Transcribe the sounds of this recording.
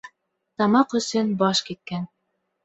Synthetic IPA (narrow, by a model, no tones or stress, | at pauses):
t̪ɑmɑqɵ̆sɵnbɑʃkit̪̚kæn